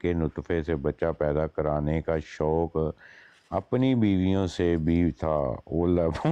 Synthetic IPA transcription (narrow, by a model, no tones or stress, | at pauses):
keːnʊt̪fʰeːseːbəːt͡ʃaːpɛːd̪aːkəɾaːnekaːʃɔːk | ə̰pniːbiːʋijõːsebʱiːt̪ʰaːoːləb